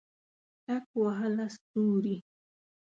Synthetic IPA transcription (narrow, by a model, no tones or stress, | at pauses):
takwaɦalast̪uːɾi